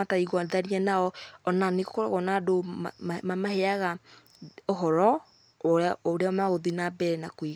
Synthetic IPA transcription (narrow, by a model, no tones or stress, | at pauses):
ataiɣwaðaɾiɛnaɔɔnanekokoɾa̰ɣɔnadomamaheaɣa | oɦɔɾɔ | oɾeamaɣoðinabɛɾɛnakwiɣ